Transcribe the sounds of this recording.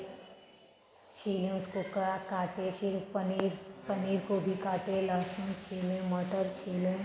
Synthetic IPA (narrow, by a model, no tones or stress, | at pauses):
t͡ʃʰiːlẽʊskokəɾakaːʈepʰɪɾɾpəniːɾkobʱikaːʈelaːsĩt͡ʃʰeːlẽməʈəɾt͡ʃʰeːlẽ